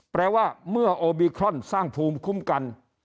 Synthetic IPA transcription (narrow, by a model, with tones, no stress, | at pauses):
pɾɛː˧waː˥˩mɯ˥˩ɐʔoː˧biː˧kʰɾɔ˥˩nsaː˥˩ŋpʰuː˧mkʰu˥˩mka˧n